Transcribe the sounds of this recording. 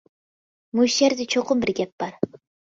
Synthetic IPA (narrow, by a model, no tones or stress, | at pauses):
mujʃeɾd̪ɪt͡ʃʰoqʊmbɪɾɡʲɛp̚b̥ɑɾ